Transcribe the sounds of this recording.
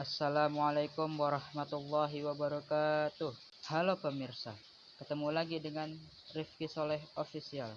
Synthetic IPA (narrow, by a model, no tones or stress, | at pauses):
ʔasːalamualajkʊmwaɾɑhmat̪ulːɑɦiwabaɾɔkat̪ʊh | halopəmirsa | kət̪əmulaɡidəŋan | rɪfkisolɛɦofisial